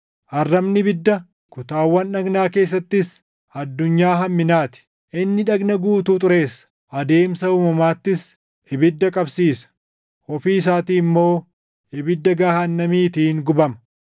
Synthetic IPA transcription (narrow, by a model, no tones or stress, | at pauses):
ʔɐrːɐmnɪbɪd̪ːɐ | kʊt̪aːwːɐnːɐɡnaːke̞ːs̬ːɐt̪ːɪs | ɐd̪ːʊɲːaːɦɐmːɪnaːt̪ɪ̥ | ʔɪnːɪᶑɐɡnɐɡuːt̪uːt̪ʼʊɾe̞ːsɐ̥ | ʔɐd̪e̞ːmsɐuːmɐmaːt̪ːɪs | ɪbɪd̪ːɐkʼɐbsiːsɐ̥ | hɔfiːs̬aːt̪iːmːo̞ː | ɪbɪd̪ːɐɡaːhɐnːɐmiːt̪iːŋɡʊbɐmɐ̥